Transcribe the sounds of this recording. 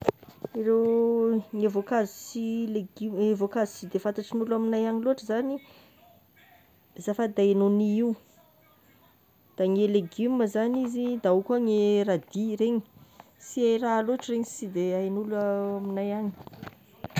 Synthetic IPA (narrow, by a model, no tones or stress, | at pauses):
irew | ŋevokazusileɡimevokazusid̪efant̪aʈ͡ʂinulaminajaŋiluaʈ͡ʂəzani | zafəd̪aenoniiu | d̪̥aŋeleɡiməzanizid̪aukuaŋeɾad̪iɾeɲi̥ | siajɾaluaʈ͡ʂiɾeɲisid̪eajnulaaminajaɲi̥